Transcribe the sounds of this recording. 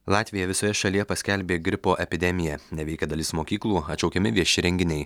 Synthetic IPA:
lˠɑːt̪ʲʋʲɪjɛʋʲɪsoːjɛʃɐlʲijɛpɐsʲkʲɛlʲbʲeːɡʲɾʲɪpoːʔɛpʲɪd̪ʲɛmʲɪjɛnʲɛʋʲɛɪkʲɛd̪ɐlʲɪsmoːkʲiːklˠuːɐt̪t͡ʃɒʊkʲɛmʲɪʋʲiɛʃʲɪɾʲɛŋʲɡʲɪnʲɛɪ

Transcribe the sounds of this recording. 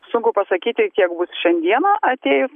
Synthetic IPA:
sʊŋkʊpɐsɐkʲiːt̪ʲɪk̪ʲiɛkbʊsʃʲɛnʲd̪ʲiɛnɐːʔɐt̪ʲeːjʊs

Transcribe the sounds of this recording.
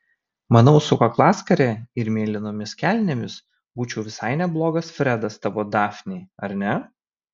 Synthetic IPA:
mɐnɒʊsʊkɐklˠɑːskɐɾʲɛɪɾmʲeːlʲɪnoːmʲɪskʲælʲnʲɛmʲɪs | buːt͡ʃʲɛʊʋʲɪsɐɪnʲɛblˠoːɡɐsfʲɾʲɛd̪ɐst̪ɑʋoːd̪ɑːfʲnʲeːɐɾʲnʲɛ

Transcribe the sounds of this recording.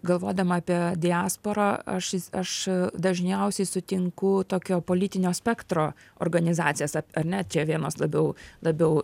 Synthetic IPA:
ɡɐlˠʋoːd̪ɐmɐɑːpʲiɛd̪ʲɪaːspoːɾaːɐ̰ʃɪɐʃd̪ɐʒʲnʲɛʊsʲɛɪsʊt̪ʲɪŋkʊt̪oːkʲoːpoːlʲɪt̪ʲɪnʲoːsʲpʲɛkt̪ɾoː | o̰rɡɐnʲɪzɑːt̪sʲɪjɛsɐɐɾʲnʲɛt͡ʃʲɛːʋʲiɛnoːslˠɐbʲɛʊlˠɐbʲɛʊ

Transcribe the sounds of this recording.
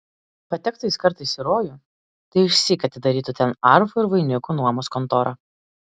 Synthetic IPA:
pɐt̪ʲɛkt̪ɐɪskɐɾt̪ɐɪsʲɪɾoːjʊ | t̪ɐɪʊʃʲsʲikɐt̪ʲɪd̪ɐɾʲiːt̪ut̪ʲɛnɐɾfʊɪɾʋɐɪnʲɪkunuɔmoːskɔnt̪ɔːɾʔɐ

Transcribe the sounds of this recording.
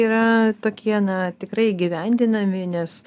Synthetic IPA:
iːɾɐt̪oːkʲiɛnɐt̪ʲɪkɾɐɪiɡʲɪʋʲɛnʲd̪ʲɪnɐmʲɪnʲɛs

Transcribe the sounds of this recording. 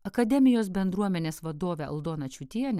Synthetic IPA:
ɐkɐd̪ʲɛmʲɪjoːsbʲɛnd̪ɾuɔmʲɛnʲeːsʋɐd̪oːʋʲɛɐ̰lˠd̪oːnɐt͡ʃʲuːt̪ʲiɛnʲ

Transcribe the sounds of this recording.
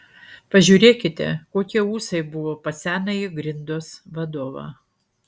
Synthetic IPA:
pɐʒʲuːɾʲeːkʲɪt̪ʲɛ̰koːkʲiɛuːsɐɪbʊʋoːpɐsʲæːnɐiɡɾʲɪnd̪oːsʋɐd̪oːʋɑ̰ː

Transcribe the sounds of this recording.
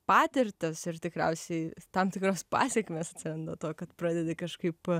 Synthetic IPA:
pɑːt̪ʲɪɾʲt̪ʲɪsɪrt̪ʲɪkɾʲɛ̰ʊsʲɛɪt̪ɐmt̪ʲɪkɾoːspɑ̰ːsʲɛkmʲeːsɐt̪ʲsʲɪɾɐnd̪oːt̪oːkɐt̪pɾɑːd̪ʲed̪ʲɪkɐʃkɐɪp

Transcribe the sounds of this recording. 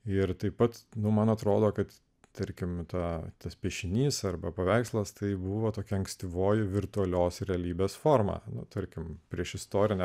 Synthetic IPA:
ɪɾt̪ɐɪppɐt̪nʊmɐnɐt̪ɾoːd̪oːkɐt̪ | t̪ɐɾʲkʲɪmt̪ɑːt̪ɐspʲiɛʃʲɪnʲiːsɐɾbɐpɐʋʲæɪkslˠɐst̪ɐɪbuːʋoːt̪oːkʲɛɐŋksʲt̪ʲɪʋoːjɪʋʲɪɾt̪ʊɐlʲoːsɾʲɛɐlʲiːbʲeːsfoːɾmɑ̰ːnʊ̰t̪ɐɾʲkʲɪmpʲɾʲiɛʃɪst̪oːɾʲɪnʲɛ

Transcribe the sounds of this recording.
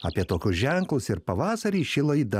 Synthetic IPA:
ɐ̰pʲiɛt̪oːkʲʊsʒʲɛŋklˠʊsɪɾpɐʋɑːsɐɾʲiːʃʲɪlˠɐid̪ɐ

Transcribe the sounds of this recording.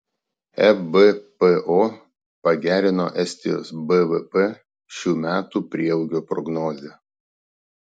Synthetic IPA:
ɛbɛpeʔoː | pɐɡʲæːɾʲɪno̰ːʔɛsʲt̪ʲɪjo̰ːsbɛʋɛpɛ | ʃʲuːmʲæːt̪uːpʲɾʲiɛɛʊɡʲoːpɾɔ̰ɡnɔːzʲeː

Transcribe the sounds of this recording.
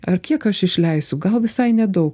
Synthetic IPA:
ɐɾkʲiɛkɐʃɪʃʲlʲɛɪsʊɡɐlˠʋʲɪsɐɪnʲɛd̪ɐʊk

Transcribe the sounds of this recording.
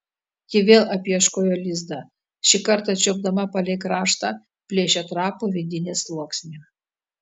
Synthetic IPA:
kʲɪʋʲeːlˠʔɐpʲɛʃkoːjoːlʲɪzd̪ɑ | ʃʲɪkɐɾt̪ɐt͡ʃʲob̚d̪ɐmɐpɐlʲɛɪkɾɑːʃt̪ɑ | pʲlʲeːʃʲɛt̪ɾɑːpʊʋʲɪd̪ʲɪnʲeːslˠuɔksʲnʲu

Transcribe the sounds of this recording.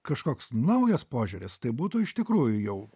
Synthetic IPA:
kɐʃkoːksnɐʊjospoːʒʲʊɾʲɪst̪ɐɪbuːt̪ʊɪʃt̪ʲɪkɾuːjʊjɛʊ

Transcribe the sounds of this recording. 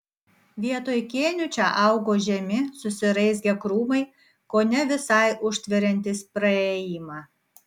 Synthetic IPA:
ʋʲiɛt̪oːjkʲeːnʲʊt͡ʃʲɛʔɐˑʊɡoːʒʲɛmʲɪsʊsʲɪɾɐɪsɡʲɛkɾuːmɐɪ | koːnʲɛʋʲɪsɐɪʔʊʃʲt̪ʲʋʲɛɾʲɛnʲt̪ʲɪspɾɐeːjɪmɑː

